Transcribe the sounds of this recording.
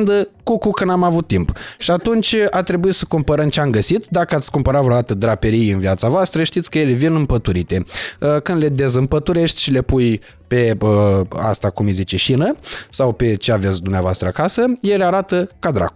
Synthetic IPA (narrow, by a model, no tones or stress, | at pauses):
nd̪əkukukənamavut̪ːimpʃiat̪unt͡ʃʲat̪ɾe̞buisəkumpəɾəmt͡ʃeamɡəsit̪d̪akəat̪sʲkumpəɾat̪vɾod̪at̪əd̪ɾapeɾijɨnviat̪savoast̪ɾəʃt̪it̪sʲkəje̞levinɨmpət̪uɾit̪e̞əkɨnd̪le̞d̪e̞zɨmpət̪uɾe̞ʃt̪ʲʃile̞puj | pe̞əa̰st̪akumijzit͡ʃeʃinəsawpe̞t͡ʃe̞ave̞t̪sʲd̪umneavoa̰st̪ɾəakasəjeleaɾat̪əkad̪ɾa̰k